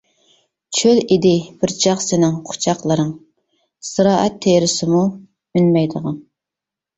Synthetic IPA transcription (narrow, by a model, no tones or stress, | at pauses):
t͡ʃʰølid̪ɪb̥ɪɾt͡ʃʰɑχsɪnɪŋqʰʊ̥t͡ʃʰɑqlˠəɾɨŋ | sɨɾɑːʔɛt̪ʰːeɾɪsɪmu | ynmɛjd̪əʁɑn